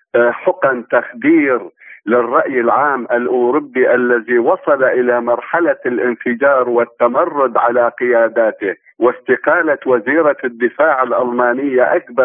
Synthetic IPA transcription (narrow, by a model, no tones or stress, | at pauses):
ħʊqant̪axd̪iːɾlɪrˤːɑʔjɪlʕaːmʔalʔuːɾʊbːiʔalːaðiwɑsˤɑlaʔɪlamɑɾˤħalalʔɪnfɪd͡ʒɑːɾˤwɪt̪ːamɑrˤːʊd̪ʕalaqɪjaːd̪aːt̪ɪ | wɪst̪ɪqɑːlawaziːɾɑd̪ːɪfaːʕɪlʔalmɑːnɪjːaʔakbɑ